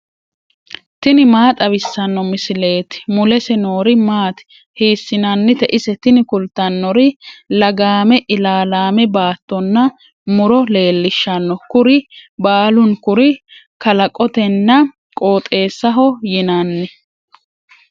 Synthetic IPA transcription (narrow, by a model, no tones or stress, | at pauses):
t̪ɪnɪmaːt̪ʼɐβɪsːɐnːɔmɪsɪle̞ːt̪ɪ̥mʊlɛsɛno̞ːɾɪmaːt̪ | hiːsːɪnɐnːɪt̪ɛʔɪsɛt̪ɪnɪkʊlt̪ɐnːɔɾɪlɐɡaːmɛʔɪlaːlaːmɛbaːt̪ːɔnːɐ | mʊɾɔle̞ːlːɪʃːɐnːɔkʊɾɪbaːlʊnkʊɾɪkɐlɐkʼɔt̪ɛnːɐ | kʼo̞ːt̪ʼe̞ːsːɐɦɔjɪnɐnːɪ